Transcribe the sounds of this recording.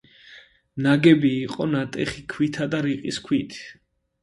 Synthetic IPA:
naɡɛbiːqʼɔnat̪ʼɛχikʰwit̪ʰad̪aɾiqʼiskʰwit̪ʰ

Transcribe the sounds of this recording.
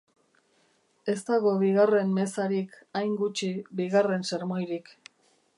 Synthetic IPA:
e̞st̪aɣo̞βiɣare̞mme̞saɾik | ajŋɡut͡ʃibiɣare̞nseɾmo̞jɾik

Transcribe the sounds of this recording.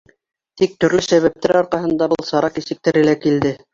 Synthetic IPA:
t̪ik̚t̪ɵ̆ɾlɵsæβæp̚t̪æɾɑɾqɑɦɤ̆nd̪ɑbɤlˠsɑɾɑqisɘ̆k̚t̪æɾɘ̆lækild̪ɘ

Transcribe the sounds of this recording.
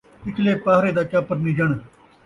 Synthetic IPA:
ɪkʰleːpaːɦɾeːd̪aːt͡ʃaːpəɾniːd͡ʒəɳ̃

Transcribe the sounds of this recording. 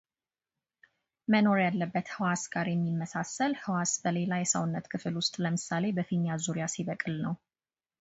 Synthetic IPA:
məno̞ɾjalːəbːət̪hɨwasɡ̥aɾjɛmːimːəsasːəlhɨwasbəle̞lajɛsə̰wnːət̪kʰɨfɨlwʊst̪ʼləmɨsːale̞bəfiɲːjazuɾijasiβəkʼɨlnəw

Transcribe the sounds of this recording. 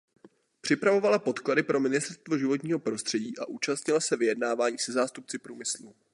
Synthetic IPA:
pr̝̥ɪpɾavo̞valapo̞t̪kladɪpɾʔo̞mɪnɪst̪ɛɾst̪vo̞ʒɪvo̞t̪ɲiːɦo̞pɾo̞st̪r̥ɛɟiːʔaʔuːt͡ʃast̪ɲɪlasɛvɪjɛdnaːvaːɲiːsɛzaːst̪up̚t͡sɪpɾuːmɪslu

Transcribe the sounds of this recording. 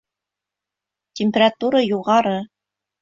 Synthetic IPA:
tʲɪmʲpʲerat̪uɾəjuʁɑɾɤ

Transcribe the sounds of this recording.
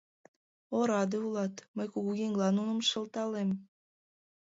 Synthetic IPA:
oɾɑd̪eulɑt̪məjkuɣuɣeŋɡlɑnunə̆mʃə̆lt̪ɑlem

